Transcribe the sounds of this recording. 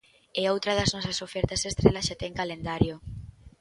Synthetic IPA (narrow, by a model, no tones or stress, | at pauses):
ɛowt̪ɾɐð̞ɐznɔsɐsofɛɾt̪ɐsest̪ɾelɐsʃat̪ɛŋkalend̪aɾjo